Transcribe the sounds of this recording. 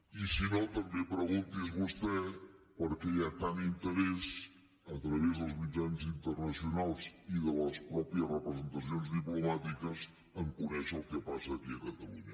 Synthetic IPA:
isinot̪əmbepɾəɣunt̪izβust̪ɛ | pəɾkɛiat̪anint̪əɾɛs | ət̪ɾəβezðəlˠzmid͡ʒanzint̪ərnəsiunalˠziðələspɾɔpiərəpɾəzənt̪əs̬ionzðiplumat̪ikəz | əŋkunɛʃəlˠkɛpasəːkiəkət̪əluɲə

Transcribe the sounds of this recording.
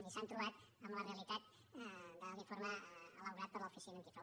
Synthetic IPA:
disant̪ɾuat̪̚ | amalarealit̪at̪̚ | d̪aɡifɔrmaalaɡɾat̪ərlɔfisinənt̪ifa

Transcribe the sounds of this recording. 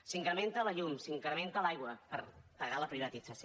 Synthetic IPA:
siŋkɾəmẽnt̪ələʎumsiŋkɾəment̪əlajɣwəpəɾt̪əɣaləpɾiβət̪id͡zəs

